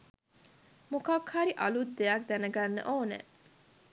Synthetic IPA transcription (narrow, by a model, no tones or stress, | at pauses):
mokɐwkʰhaɾiʔɐlud̪d̪eak̚d̪ænəɡɐnːə̰ʔoːnḛ